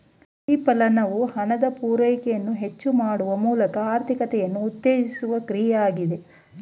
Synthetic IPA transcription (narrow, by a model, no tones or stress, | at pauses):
iːpɐlɐnɐʋuhɐnɐd̪ɐpuːɾɐjkɛjɐnːuɦe̞t͡ʃːumaːɽuʋɐmuːlɐkɐaːɾt̪ʰikɐt̪ɛjɐnːuːt̪ːeːɡisuʋɐkɾijaːɡid̪e̞